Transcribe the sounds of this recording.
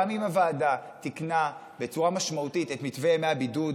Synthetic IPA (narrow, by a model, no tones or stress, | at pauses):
mimavaːdat̪ikna | bet͡suʁamaʃmautitetmitvemeabidud